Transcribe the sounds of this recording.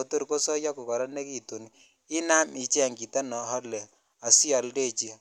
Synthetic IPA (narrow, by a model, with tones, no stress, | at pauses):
o˨tu˦ɾko˦sɔ˦ja˦ko˨kɔ˨ɾɔ˦ne˦ki˦to˨ni | ɪ˦na˦mi˨t͡ʃɛ˦˨ŋɡi˨ta˦nɔ˨ɦɔ˦le˨ | a˨si˦ɔ˨lde˦˨t͡ʃi˦